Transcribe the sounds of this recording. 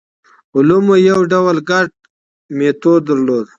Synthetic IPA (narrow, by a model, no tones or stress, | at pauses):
ʊlumojɐwɖawəlɡaʈ̚ | met̪oːd̪əɾloːd̪